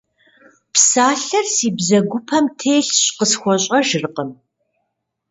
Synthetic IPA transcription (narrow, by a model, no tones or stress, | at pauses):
psaːɬɐrsiːbzɐɡʷʊpʰɐmtʰeːɬɕqəsxʷɔɕʼɐʒɪrqəm